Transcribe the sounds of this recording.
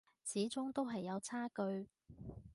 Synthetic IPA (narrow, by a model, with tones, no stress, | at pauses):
t͡sʰiː˨˥t͡sʊ˥ŋt̪o˥wɦɐ˨jːɐ˨˧wt͡sʰaː˥kɵ˧ɥ